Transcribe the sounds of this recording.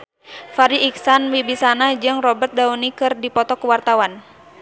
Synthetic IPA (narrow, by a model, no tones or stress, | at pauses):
faɾiiksanwibisanad͡ʒɨŋrɔbərt̪̚daunikɨrdipɔt̪ɔkuwart̪awan